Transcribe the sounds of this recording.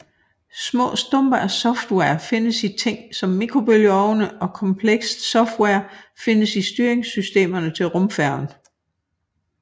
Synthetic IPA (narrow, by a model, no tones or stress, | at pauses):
smɔ̰̽ːsd̥ɔmb̥ɐæsɒ̽fd̥wɛɐfe̝nəsit͡sʰe̝ŋ̰sɒ̽mːikʰʁo̝b̥øljɒʊnəʔɒ̽kʰɒ̽mpʰleɡ̥sd̥sɒ̽fd̥wɛɐfe̝nəsisd̥yːɐeŋsysd̥e̝̰ːmɐnət͡sʰe̝lʁɔ̽mfæɐ̰n